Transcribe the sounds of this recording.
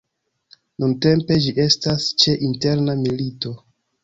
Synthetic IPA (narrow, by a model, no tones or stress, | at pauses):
nunte̞mpe̞d͡ʒiʔe̞stast͡ʃe̞ʔinte̞ɾnamilito̞